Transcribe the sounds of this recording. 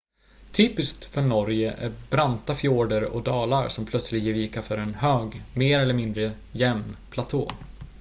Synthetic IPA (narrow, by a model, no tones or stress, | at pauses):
t̪ʰyːpɪskt̪fœɳɔɾjəʔæ̰ɾbɾant̪afjoːɖəɾɔ̰kd̪ɑːlaɾsɔmpʰlœt̪slɪɡjɛviːkaɾfœɾɛnhøːɡmeːɾɛlːəɾmɪnd̪ɾə | jɛmnpʰlat̪ʰo̰ː